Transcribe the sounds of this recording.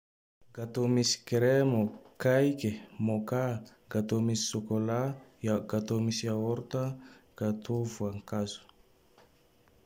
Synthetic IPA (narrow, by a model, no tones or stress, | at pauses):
ɡat̪omisi̥keɾemokajkemoka | ɡat̪omisi̥sokolajaɡat̪omisiaɔɾt̪aɡ̥at̪ʰovuaŋkazu̥